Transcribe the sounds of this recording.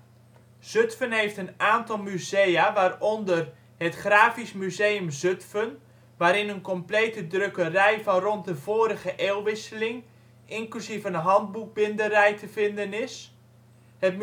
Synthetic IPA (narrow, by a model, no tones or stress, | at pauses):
z̥øtfənɦejftənaːntɔlˠmyzejaʋaːrɔndər | hətχraːfismyzejəmzøtfən | ʋaːɾɪnənkɔmpleːtədrøkərɛjvɑnrɔnt̚dəv̥oːɾəɣəʔeːlˠʋɪsəlɪŋ | ɪŋklysivənəɦɑnd̚buk̚bɪndərɛjtʰəvɪndənɪs | hət̚m